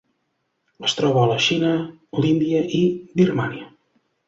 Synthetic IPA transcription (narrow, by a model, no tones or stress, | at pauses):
əst̪ɾɔβəːləʃinə | lind̪iəʔibirmaniə